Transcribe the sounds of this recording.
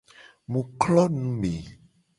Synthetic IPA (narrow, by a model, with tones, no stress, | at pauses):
mũ˨klɔ˦nũ˦me˨